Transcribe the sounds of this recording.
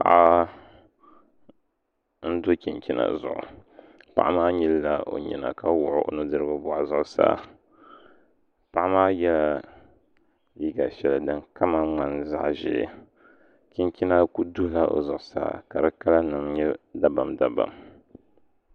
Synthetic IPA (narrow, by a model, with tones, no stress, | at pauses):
pa̰˨ʔa˦ | n̩˦do˦kʲi˨nkʲi˦na̰˨zʊ̰˨ʔʊ̰˨ | pa̰˨ʔa˦maː˦ɲi˦lla˦o̰˨ɲḭ˨na̰˨ka˦wʊ˨ʔʊ˦ʔo̰˦nɨ˦dɨ˦ɾɨ˦ba˦bʊ˦ʔa˨zʊ˨ʔʊ˦sa̰ː˦ | pa˦ʔa˦maː˦jɛ˦la˦ | ji˦ɡa˨ʃɛ˨la˨dɨ˨ŋka˦ma˦ŋ͡ma˨nza̰˦ʔʒɪ̰˨ | kʲi˦nkʲi˦na˦ku˦du˦la˦ʔo̰˨zʊ˨ʔʊ˨sa̰ː˨ka˨ɾɨ˦ka˦la˦nɨ˨mɲɛ˦da˦ba˨mda˨ba̰˨m